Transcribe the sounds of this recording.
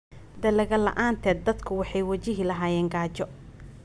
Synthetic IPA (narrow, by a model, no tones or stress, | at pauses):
d̪ɐlɛɣɐlɐ̰ʔaːnt̪ʰɛːd̪̚ɐd̪kʰʊwɑħɑjwɑt͡ʃɪɦilɐɦaːjɛːŋɡaːt͡ʃɔ